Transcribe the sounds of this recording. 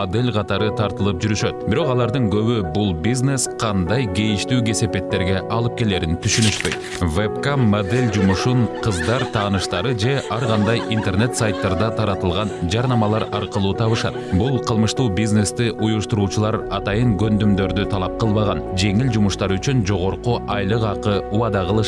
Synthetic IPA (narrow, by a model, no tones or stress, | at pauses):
od̪e̞lʲqʰɑt̪ɑɾɯt̪ʰɑɾt̪ɯlˠɯp̚d͡ʒyɾyʃø̞t̪biɾo̞qɑlˠɑɾd̪ɯŋɡø̞βybulˠbʲizne̞sqʰɑnd̪ɑjɡe̞jiʃt̪yːɡe̞se̞pe̞t̪ːe̞ɾɡʲe̞ʔɑlˠɯp̚ke̞leːɾint̪ʰyʃynyʃpø̞jt̪ | vepkamod̪e̞lʲd͡ʒumuʃuɴqʰɯzd̪ɑɾt̪ʰɑːnɯʃt̪ɑɾɯd͡ʒe̞ɑɾʁɑnd̪ɑjʔint̪e̞rne̞t̪sajt̪ːɑɾd̪ɑt̪ʰɑɾɑt̪ɯlˠʁɑnd͡ʒɑɾnɑmɑlˠɑɾɑɾqɯlˠuːt̪ʰɑβɯʃɑt̪̚bulˠqʰəlˠmɯʃt̪uːbizne̞st̪iʔujuʃt̪uɾuːt͡ʃulˠɑɾɑt̪ɑjɯɴɡønd̪ymd̪ø̞ɾd̪yt̪ʰɑlˠɑp̚qɯlˠβɑʁɑnd͡ʒe̞ŋild͡ʒumuʃt̪ɑɾyt͡ʃynd͡ʒo̞ʁo̞ɾquʔɑjlˠɯqɑqɯuwɑd̪ɑʁəlˠɯʃ